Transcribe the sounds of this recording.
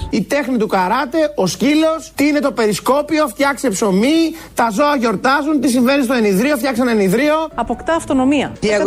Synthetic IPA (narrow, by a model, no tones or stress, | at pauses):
it̪e̞xnit̪ukɐɾɐt̪e̞o̞scilo̞st̪iine̞t̪o̞pe̞ɾisko̞pio̞ft̪çɐkse̞pso̞mit̪ɐzo̞ɐʝo̞ɾt̪ɐzunt̪is̬iɱve̞nist̪oeniðɾio̞ft̪çɐkseneniðɾio̞ɐpo̞kt̪ɐːft̪o̞no̞miɐ̰i